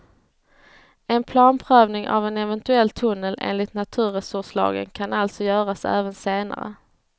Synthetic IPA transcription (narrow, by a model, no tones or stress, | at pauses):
ɛnpʰlɑːnpʰɾœːvnɪŋʔa̰vɛnɛvɛnt̪ɵɛlːt̪ʰɵnːəlʔḛːnlɪt̪nat̪ʰʉ̟ːɾɛsɵʂlɑ̰ːɡə̰nkʰanalt̪sɔjœːɾasæ̰ːvənseːna̰ɾə̰